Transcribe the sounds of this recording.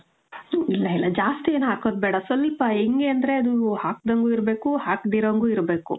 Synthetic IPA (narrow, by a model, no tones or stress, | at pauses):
ilːɐilːɐd͡ʒaːst̪ieːnuaːkoːd̪̚bɛːɽɐsɐlpɐeŋɡeɐnd̪ɐɾe̞ɐd̪uhaːk̚d̪ɐŋɡuiɾbe̞ːkuhaːkd̪iɾɐŋɡuiɾbe̞ːkṵ